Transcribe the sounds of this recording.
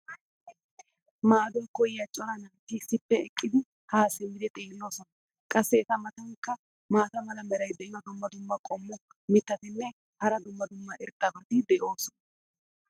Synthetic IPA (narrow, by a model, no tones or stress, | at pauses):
maːd̪ɔjkɔjjɐt͡ʃʼɔɾɐnɐnt̪ːɪsɪpːɛɛkʼːɪd̪ɪ | haːsɪmɪd̪ɛt̪ʼeːnːo̞ːsɔnɐ | kʼɐsːɛːt̪ɐmɐt̪ɐŋkːɐ | maːt̪ɐmɐlɐmɛɾɐjd̪ɛʔɪjɐd̪ʊmːɐd̪ʊmːɐkʼɔmːɔ | mɪt̪ːɐt̪ɪnːɛ | hɐɾɐd̪ʊmːɐd̪ʊmːɐɪɾt̪ʼːɐbɐt̪ɪd̪ɛʔo̞ːsɔnɐ